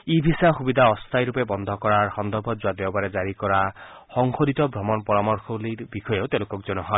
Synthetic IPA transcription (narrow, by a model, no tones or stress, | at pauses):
ibʱisaxubid̪ʱaɔst̪ʰajɾupebɔnd̪ʱɔkɔɹaɹxɔnd̪ɔɾbʱɔd͡ʒuad̪ewbaɾed͡ʒaɹikɔɹa | xɔŋxodit̪ɔbʱɾɔmɔnpɔɹamɔɹxʰɔlibixɔjewt̪elukɔk̚d͡ʒɔnɔɦɔ